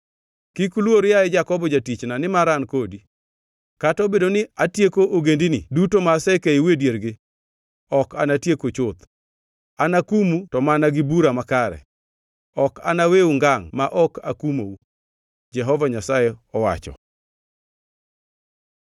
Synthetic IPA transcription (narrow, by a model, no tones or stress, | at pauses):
kikulwoɾjaɪd͡ʒakɔbɔd͡ʒatit͡ʃnanɪmaɾankodi | katɔbedonɪatjekoʔoɡendinɪ̰dutomasekeiwedjeɾɡɪ | ɔkanatjekot͡ʃʊt̪ | anakumutɔmanaɡɪbuɾamakaɾɛ̰ | ɔka̰naweuŋɡaŋmaʔɔka̰kumou | d͡ʒɛɦɔvaɲasajɛɔwa̰t͡ʃɔ̰